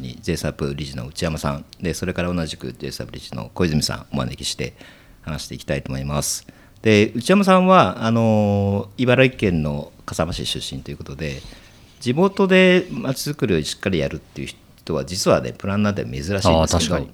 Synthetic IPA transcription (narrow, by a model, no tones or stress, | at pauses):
ɲḭd͡ze̞ːsapɯ̟ɾʲiʑino̞̰ɯ̟t͡ɕiamasã̰nd̪e̞so̞ɾe̞kaɾao̞naʑikɯ̟̰ze̞̰ːsa̰pɯ̟ɾʲiʑino̞̰ko̞izɨmisã̰ŋ̃oma̰nḛkʲi̥ɕi̥t̪e̞̰ | hanaɕi̥t̪eiki̥t̪ait̪o̞mo̞imasɨ̥ | d̪̥e̞ɯ̟t͡ɕiamasãɰ̃βaːno̞ibaɾoikẽ̞nːo̞kasamaɕḭɕɨ̰ɕːĩnt̪o̞jɯ̟kot̪od̪e̞ | d͡ʑimo̞t̪o̞d̪e̞mat͡ɕizɨkɯɾɯ̟joɲiɕi̥kːaɾʲijaɾɯ̟t̪ːe̞iɯ̟ç | t̪o̞βad͡ʑit͡sɨβa̰ne̞̰pɯ̟ɾãnːnat̪ːema̰me̞zɨɾaɕiiinsked̪